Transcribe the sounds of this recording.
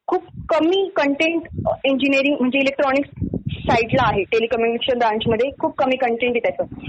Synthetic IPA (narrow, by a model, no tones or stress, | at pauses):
kʰuːpkəmiːkəɳʈeɳʈeɲd͡ʑinieɾĩŋɡm̤əɳd͡zeilek̚ʈɾɔnikssaiʈlaːɦeʈelikɔmjunikeɕənbɾãɲt͡ɕməd̪ʱjekʰuːb̚kəmiːkəɳʈẽɳʈjet̪jat͡səː